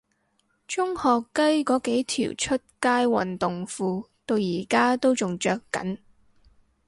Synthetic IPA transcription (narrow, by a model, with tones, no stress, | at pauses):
t͡ʃʊ˥ŋhɔː˨kːɐ˥jkɔː˨˥ke˨˥jt̪ʰḭː˨˩wt͡ʃʰɵ˥t̚kaː˥jwɐ̰˨˩nt̪ʊ˨ŋfuː˧ | t̪o˧wjiː˨˩kaː˥t̪o˥wt͡sʊ˨ŋt͡ʃœː˧kːɐ̰˨˥n